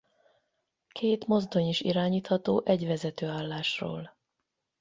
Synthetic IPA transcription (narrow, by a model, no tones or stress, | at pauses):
kʰeːt̪mo̞zd̪o̞ɲiʃḭɾaːɲiːt̪hɒt̪oːʔɛɟʋɛzɛt̪øːaːlːaːʃro̰ːl